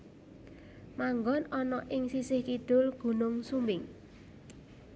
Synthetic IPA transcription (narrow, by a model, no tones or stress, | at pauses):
maŋɡɔnɔnɔʔɪŋsisɪhkid̪̥ʊ̤lɡ̥ṳnʊŋsumbɪŋ